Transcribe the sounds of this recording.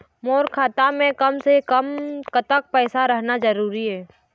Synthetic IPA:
moːɾkʰaːt̪amẽkəmsekəmkət̪ək̚pɛːsaɾəɦnad͡ʒəɾuːɾiɦɛː

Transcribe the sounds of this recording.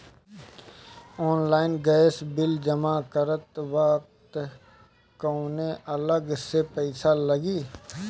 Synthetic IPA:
ɔːnlaːɪnɡɛːsbɪld͡ʒəmakəɾət̪ʋək̚t̪ | koːneʔələɡsepɛɪsaləɡiː

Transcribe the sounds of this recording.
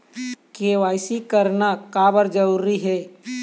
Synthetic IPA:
keʋaːɪsikəɾnakaːbəɾd͡ʒəɾuɾiɦɛː

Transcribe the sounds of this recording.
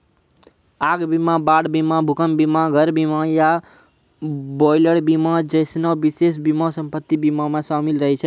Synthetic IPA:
aɡbimãbaɽbimãbʱukəmbimãɡʱəɾbimãja | bɔjləɽbimãd͡ʒəjsnɔʋɪses̬bimɔ̃sə̃mpət̪ːibimãmãsamilɾəɦit͡ʃʰe

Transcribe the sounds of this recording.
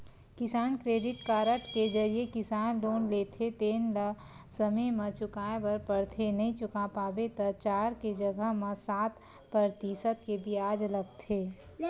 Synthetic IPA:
kɪsaːnkɾeːɖɪʈkaːɾəʈked͡ʒɐɾiekɪsaːnɖoːnleːt̪ʰet̪eːnlə | səməmə̃t͡ʃʊkaːebəɾpəɽt̪ʰenɐɦĩt͡ʃʊkapaːbet̪ɐt͡ʃaːɾked͡ʒəɡəɦmẽsaːt̪ | pɾəɾt̪isət̪kebʱiaːd͡ʒləɡt̪ʰeː

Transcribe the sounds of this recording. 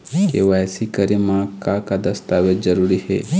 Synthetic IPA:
keʋasikəɾimãkakad̪ɐst̪aːʋed͡ʒəɾuɾihḛ

